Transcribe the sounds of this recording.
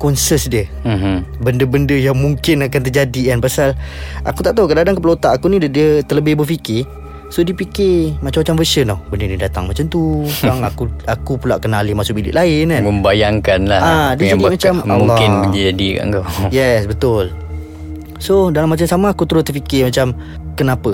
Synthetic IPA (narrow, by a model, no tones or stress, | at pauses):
kɔnsəsdiə | bəndəbəndəjaŋmuŋkɪnakant̪̬ərd͡ʒadikanpasalʔa̰kut̪aʔt̪aukədadaŋkəplot̪aʔakuniddiət̪ərləbɪhbərfikɪ | sodipikɪmat͡ʃamːat͡ʃamvəsənɔbəndənidat̪a̰ŋmat͡ʃamt̪uaŋakuakupulaʔkənalimasʊʔbilɪ̰ʔlaɪnaməmbajaŋkanlahadiaimat͡ʃammlŋːɔkɪnəd͡ʒadika̰ʔŋkojɛsbət̪ʊl | sodalamat͡ʃamsamaːkut̪əɾʊt̪ərfikɪmat͡ʃam | kənapə